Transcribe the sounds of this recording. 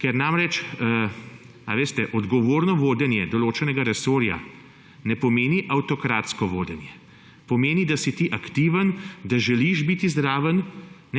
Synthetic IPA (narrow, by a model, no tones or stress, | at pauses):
kɛɾnaːmɾɛt͡ʃə | aʋeːst̪ɛʔɔd̪ɡɔʋoːɾnɔʋoːd̪ɛnjɛd̪ɔloːt͡ʃɛnɛɡaɾɛsoːɾja̰ | nɛpɔmeːniʔawt̪ɔkɾaːt̪skɔʋoːd̪ɛnjɛ | pɔmeːnid̪asit̪iʔakt̪iːʋənd̪aʒɛliʃbit̪izd̪ɾaːʋən | n